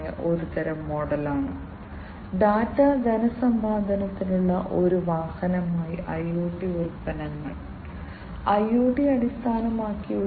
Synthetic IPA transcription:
jɐ̰ʔo̞ɾut̪ɐɾɐmːoːɽɐlaːɳɨ | ɖaːtːaːd͡ʑɐnɐsɐmbʱaːd̪ʱɐnɐt̪ːinuɭːɐʔo̞ɾuʋaːhɐnɐmaːjiʔɐjuːʈːiulpɐnɐŋːɐɭ | ɐjːuːʈːiɐɽist̪ʰaːnɐmaːkːiu

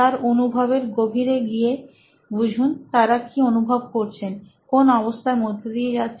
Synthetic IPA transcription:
t̪aɾonubʱabeɾɡobʱiɾeɡije | bud͡ʑʱunt̪aɾakionubʱab̚koɾt͡ɕʰen | konɔβost̪ʰaɾmod̪ʱːod̪ijed͡ʑat̪ːɕʰ

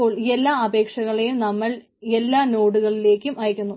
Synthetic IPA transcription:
o̞ːɭe̞lːaːɐbe̞ːkʂɐɣɐɭejumnɐmːɐɭ | e̞lːaːno̞ːɽuɣɐɭile̞ːkʲːumʔɐjɐkʲːunːu

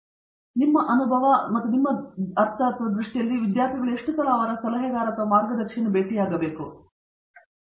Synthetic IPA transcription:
nimːɐʔɐnubʱɐʋɐmɐt̪ːunimːɐɐɾt̪ʰɐːt̪ʰɐʋɐd̪ɾiʂʈijɐlːiʋid̪jaːɾt̪ʰiɡɐɭueʂʈusɐlaːʋɐɾɐsɐlɐɦɛɡ̪aːɾɐt̪ɐmaːɾɡɐd̪ɐɾkʂinɐbeːʈijaːɡɐbe̞ːku

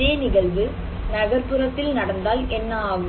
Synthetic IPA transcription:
eːnɪɣɐɭʋɯ | nɐɣɐrpɯrɐt̪ːɪlnɐɽɐnd̪aːlɛnːɐaːɣɯ

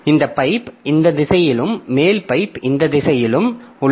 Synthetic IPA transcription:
ɪnd̪ɐpːɐɪpɪnd̪ɐðɪsɐjɪlɯmːeːlpɐɪpɪnd̪ɐðɪsɐjɪlɯmʊ

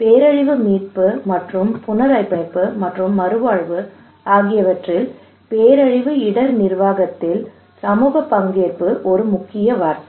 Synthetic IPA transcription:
peːɾɐɻɪʋɯmiːʈ̚pɯmɐʈrɯmpʊnɐɾɐɪpːɐɪpːɯmɐʈrɯmːɐɾɯʋaːɻʋɯ | aːɣɪjɐʋɐʈrɪl | peːɾɐɻɪʋɯɪɽɐɾnɪɾʋaːɣɐt̪ːɪl | sɐmuːɣɐpːɐŋɡeːɾpɯʔɔɾɯmʊkːɪjɐʋaːɾt̪ɐ

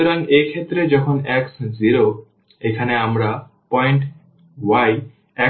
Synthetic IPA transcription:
oɾaŋejkʰet̪ːɾed͡ʑɔkʰonɛksziɾo | ekʰaneamɾa | pɔjɳʈ | waj | ɛ

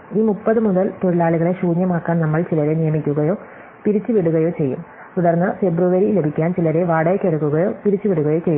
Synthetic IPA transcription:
iːmupːɐðɨmuðɐlt̪oɻilaːɭuɣɐɭe̞ɕuːɲjɐmaːkːaːnnɐmːɐɭt͡ɕilɐɾe̞nijɐmikʲːuɣɐjo̞ː | piɾit͡ɕːuʋiɽuɣɐjo̞ːt͡ɕe̞jːṵm | t̪uɽɐrnːɨfe̞bruʋɐɾile̞bʱikʲːaːnt͡ɕilɐɾe̞ʋaːɽɐjkʲːeɽukːuɣɐjo̞ːpiɾit͡ɕːuʋiɽuɣɐjo̞ːt͡ɕejːum

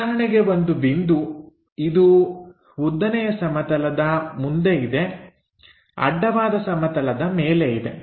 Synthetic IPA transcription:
ɐɾɐɳɛɡe̞bond̪ubind̪u | id̪u | ʋud̪ːɐnɛjɐsɐmɐt̪ɐlɐd̪ɐmund̪e̞id̪e̞ | ɐ̰ɖːɐʋaːd̪ɐsɐmɐt̪ɐlɐd̪ɐmeːleid̪ḛ

